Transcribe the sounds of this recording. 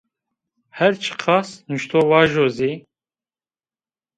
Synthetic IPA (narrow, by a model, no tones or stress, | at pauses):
hɛɾt͡ʃʰə̥qʰɑsnuʃt̪ʰowaʒozi